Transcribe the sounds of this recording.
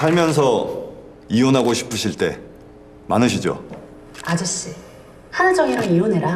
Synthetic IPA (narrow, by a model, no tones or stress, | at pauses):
saɭmjʌnsʰʌ | ionɦaɡoɕʰi̥pʰɯɕʰiɭt͈e̞ | manɯɕʰid͡ʑo̰ | ad͡ʑɯɕ͈i | hanad͡ʑʌŋiɾonioneɾa